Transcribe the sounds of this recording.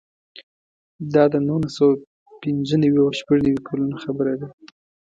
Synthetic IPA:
d̪ɑd̪ənulasawa | pɪnzənawiawʃpaʐnawikʰalunaxabəɾad̪a

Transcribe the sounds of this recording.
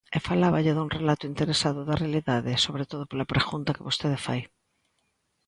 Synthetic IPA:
efalaβaʎeðunrelat̪oint̪eɾesaðoðarealiðaðesoβ̞ɾet̪oð̞opolapɾeɣunt̪akeβost̪eðefa̰j

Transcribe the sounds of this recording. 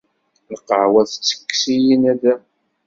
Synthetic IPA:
əqːəʕwæθt͡sːə̥kːsijinæðæ

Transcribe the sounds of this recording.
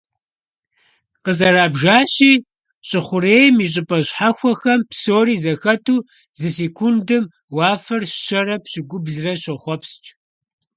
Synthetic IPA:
qəzɐɾaːbʒaːɕiː | ɕʼɪχʷʊreːjmiɕ̬ʼɪpʼɐɕħaxʷɔxɐmpsoːɾiːzɐxɐtʰuː | zɨseːkʷʰundɨm | wɑːfɐrʃɐrɐpɕɪɡʷʊbɮɨrɐɕɐχʷɔpst͡ʃʼ

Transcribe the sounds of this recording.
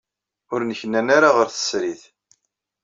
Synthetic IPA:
ʊɾnəçənænaɾaʁəɾθə̥sɾiθ

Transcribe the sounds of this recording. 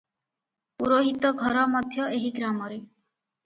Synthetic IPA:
uɾoɦit̪ɔɡʱɔɾɔmɔd̪ʱjɔʔeɦiɡɾamɔɾe

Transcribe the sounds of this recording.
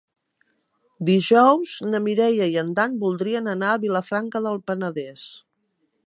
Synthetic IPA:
d̪iʒɔwznəmiɾɛjəiənd̪anbulˠd̪ɾiənənaəβiləfɾaŋkəðəlˠpənəðɛs

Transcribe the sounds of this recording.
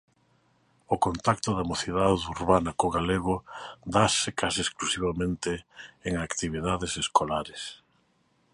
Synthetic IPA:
okont̪akt̪ʊðɐmoθiðaðuɾβanɐkoɣaleɣ̞ʊd̪asɪkasiesklusiβamẽnt̪ɪːŋakt̪iβiðaðɪseskolaɾes

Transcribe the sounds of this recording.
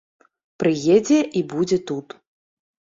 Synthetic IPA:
pɾɨjed͡zʲɛʔibud͡zʲɛt̪ut̪

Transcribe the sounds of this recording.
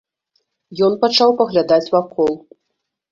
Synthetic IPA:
jɔn̪pat͡ʂawpɐɣlʲad̪at͡sʲvakɔlˠ

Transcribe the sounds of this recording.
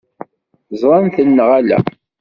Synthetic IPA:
zˤɾˤɑnθənːəʁælæ̰

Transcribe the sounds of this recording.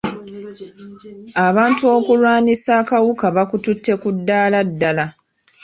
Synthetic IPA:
aβaːntuo̞ːkulwaːnisaːkawukaβakututːe̞kudːaːladːala

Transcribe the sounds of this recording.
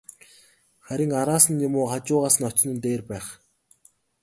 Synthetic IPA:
χæɾʲɪ̆ŋaɾaːsə̆njʊmʊːχat͡ɕʊːʁaːsə̆nɔt͡ɕɪ̆nɘ̆nt̪eːrpæːχ

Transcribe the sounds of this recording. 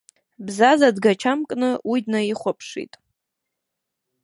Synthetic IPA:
bzazadɡat͡ʃʰamkʼnɨujdnaiχʷapʰʂḭtʼ

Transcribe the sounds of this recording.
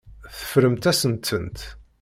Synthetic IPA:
θə̥fɾəmt̪æsənt̪ənt̪

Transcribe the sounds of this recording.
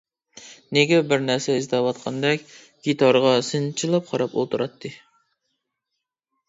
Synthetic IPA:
neɡʲɛbɪɾnæɾsɛizd̪ɛwɑt̪qʰɑnd̪ɛkʲ | ɡʲit̪ʰɑɾʁɑsɨnt͡ʃʰilˠɑp̚qʰɑɾɑpo̰lˠt̪ʰuɾɑt̪ʰːɨ

